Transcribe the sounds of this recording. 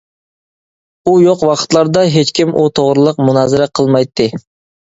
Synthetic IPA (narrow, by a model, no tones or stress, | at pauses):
ujoqwɑqʰə̥t̪lˠɑɾd̪ɑɦet͡ʃkʲimʔut̪ʰoʁɾɨlˠəqmunɑːzɨɾɛqʰəlˠmɑjt̪ʰːɨ